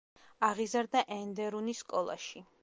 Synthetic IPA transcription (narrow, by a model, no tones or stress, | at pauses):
aʁizaɾd̪aʔɛnd̪ɛɾuniskʼɔlˠa̰ʃi